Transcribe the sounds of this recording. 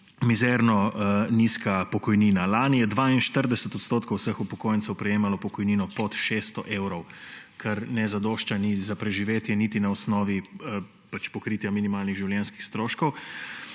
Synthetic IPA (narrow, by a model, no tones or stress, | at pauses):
mizɛɾnɔniskapɔkɔjniːnalaːnijɛd̪ʋaːinʃt̪əɾd̪ɛsɛt̪ɔt̪st̪oːt̪kowsəxupɔkoːjənt̪sɛwpɾɛjeːmalɔpɔkɔjniːnɔpɔt̪ʃest̪ɔʔeːwɾɔwkʰɛɾnɛzad̪oːʃt͡ʃanizapɾɛʒiʋeːt̪jɛnit̪inaɔsnɔːʋi | pat͡ʃpɔkɾiːt̪jaminimaːlniɣʒiwljɛnski̥xst̪ɾoːʃkɔw